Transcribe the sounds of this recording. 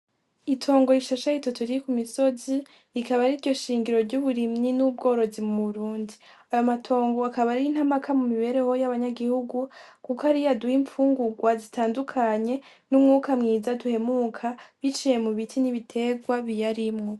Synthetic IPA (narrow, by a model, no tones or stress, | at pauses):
itʰo̞ːŋɡo̞iʃaʃaitotuɾikumiso̞zi | ɾikaβaɾiɾɟo̞ʃiːŋɡiɾo̞ɾɟuβuɾimɲinuːb̚ɡo̞ːɾo̞zimuβuɾuːndi | ajo̞matʰo̞ːŋɡo̞akaβaɾiin̥hamakʰamumiβe̞ɾe̞ho̞jaβaɲaɡihuɡukukohaɾijaduhiɱfuːŋɡuɡwazitʰaːndukʰaɲe̞ | numŋuːkamŋiːzaduhe̞mukʰaβit͡ʃije̞muβitʰiniβitʰe̞ɡwaβijaɾimŋo̞